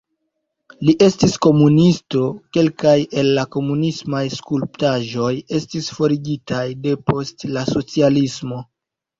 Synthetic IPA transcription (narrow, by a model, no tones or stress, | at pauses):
liʔe̞stisko̞munisto̞ke̞lkaje̞lːako̞munismajskulptaʒo̞je̞stisfo̞ɾiɡitajde̞po̞stlaso̞t͡sialismo̞